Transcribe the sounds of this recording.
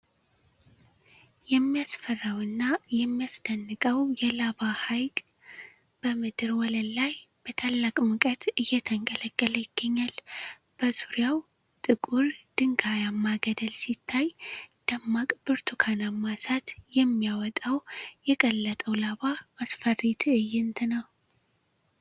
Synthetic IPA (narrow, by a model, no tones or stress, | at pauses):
jɛmːijasfərːawɨnːajɛmːijasd̪̥ənːɨkʼəwjɛlaβahajkʼ | b̥əmɨd̪ɨɾwɔlənlajb̥ət̪ʰalːakʼmɨkʼət̪ɨjːɛt̪ʰəŋkʼələkʼːələjɪɡ̥ːəɲːal | b̥əzuɾjaw | t̪ʼɨkʼuɾd̪̥ɨŋɡajamːaɡəd̪əlsit̪ʰːajd̪̥əmːakʼbɨɾt̪ʰukʰanamːasat̪jɛmːijawɔt̪ʼawjɛkʼəlːət̪ʼəwlaβaasfərːit̪ʰɨjːɪnt̪ʰɨnəw